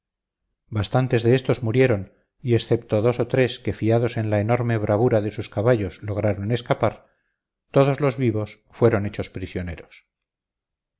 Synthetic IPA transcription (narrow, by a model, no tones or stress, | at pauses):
bast̪ant̪e̞zðe̞est̪o̞zmuɾje̞ɾo̞n | ie̞sθe̞p̚t̪o̞ðo̞so̞t̪ɾe̞ske̞fiað̞o̞sẽ̞nlaeno̞ɾme̞β̞ɾʔaβuɾaðe̞suskaβaʝo̞slo̞ɣ̞ɾaɾo̞ne̞skapaɾ | t̪o̞ð̞o̞zlo̞zβiβo̞s | fwe̞ɾo̞ne̞t͡ʃo̞spɾisjo̞ne̞ɾos